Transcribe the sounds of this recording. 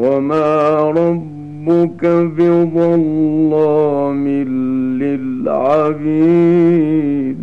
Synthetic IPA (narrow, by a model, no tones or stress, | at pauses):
wamaːɾˤɑbː | ʊkabɪðˤɑlːɑːmɪlːɪlʕabiː | d̪